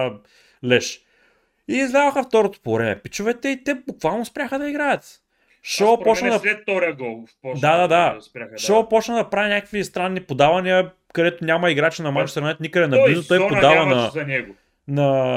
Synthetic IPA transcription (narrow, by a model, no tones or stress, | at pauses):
lɛʃ | iːzlʲavɐxɐft̪ɔɾot̪o̥pooɾɛnɛ̰pit͡ʃʊvɛt̪ɛit̪ɛbukvalˠnospɾʲaxəd̪ɐiɡɾajɐt̪ | ʃɔɾpɔt͡ʃnd̪ɐɛt̪ɔɾɐɡɔlˠfpɔdd̪ad̪ad̪aspɾʲaʃɔpɔt͡ʃnəd̪ɐpɾavinʲakəkvist̪ɾanːipod̪avɐniə | kɐd̪ɛt̪ʊnʲamɐiɡɾat͡ʃinɐmat͡ʃu̥sɾɐnɛt̪nikəd̪ɛnɐblizot̪ojpoavɐnɐzɐnɛɡʊ | nɐ